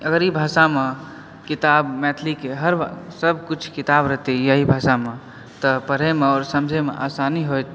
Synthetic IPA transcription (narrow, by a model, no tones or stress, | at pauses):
əɡəɾibʱasame | kit̪abmɛt̪ʰlikeɦəɾsəb̚ʱkut͡ʃʰkit̪abɾəɦt̪ejəɦibʱasame | t̪əpəɾemeɔːɾsəmd͡ʒʱemḛʔasaniɦojt̪